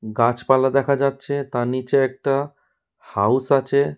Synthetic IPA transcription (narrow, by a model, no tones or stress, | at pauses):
ɡãt͡ʃpalad̪ɛkʰad͡ʒatːt͡ʃʰet̪anit͡ʃeek̚ʈa | hausat͡ʃʰe